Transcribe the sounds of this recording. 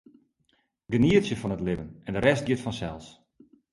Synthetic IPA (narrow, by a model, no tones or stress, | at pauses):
ɡəniəsjəfɔnətlɪvənɛndəɾɛst̚ɡɪtfɔnsɛlˠs